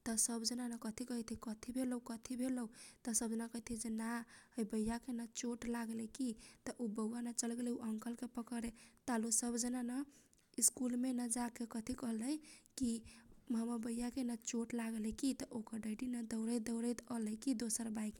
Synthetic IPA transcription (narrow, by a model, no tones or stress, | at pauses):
t̪ɔsəbd͡ʒənanəkət̪ʰikəɦit̪ʰikət̪ʰibʱeləukət̪ʰibʱeləut̪ɔsəbd͡ʒənakəɦt̪ʰid͡ʒenaəjbəjakenat͡ʃoʈlaɡlekit̪ɔʔubəɡuanat͡ʃəlɡelɛuʔəŋkəlkepəkəɾet̪alusəbʱd͡ʒənanə | iskulmenəd͡ʒakekət̪ʰikəɦləjkiɦəmabəjːakenat͡ʃoʈlaɡelɛkit̪ɔʔokəɾɖəɖinad̪əʊɾəd̪əwɾəjt̪ələkid̪osəɾbaik